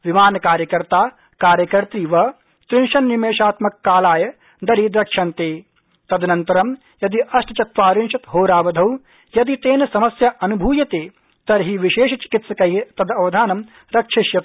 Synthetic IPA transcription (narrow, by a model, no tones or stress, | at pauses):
ʋimaːnɐkaːɾjɐkɐɾt̪aː | kaːɾjɐkɐɾt̪ɾiːʋɐ | t̪ɾɪnʃɐnːimeːʃaːt̪mɐkːaːlaːjɐ | d̪ɐɾid̪ɾɐkʂɐnt̪eː | t̪ɐd̪ɐnɐnt̪ɐɾɐm | jɐd̪iʔɐsʈɐ̥t͡ʃɐt̪ʋaːɾinʃɐt̪ɦoːɾaːʋɐd̪ʱɐw | jɐd̪it̪eːnɐsɐmɐsjɐʔɐnubʱuːjɐt̪eː | t̪ɐɾɦiʋiʃeːʃɐt͡ʃi̥kit̪sɐkɐjɦit̪ɐd̪ɐʋɐd̪ʱaːnɐm | ɾɐkʂiʃjɐt̪